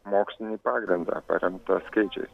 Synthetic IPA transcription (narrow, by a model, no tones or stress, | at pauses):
mɔksnipaɡɾənd͡z̪a̰pɐ̰ɾʲjəmt̪əsked͡ʒḛs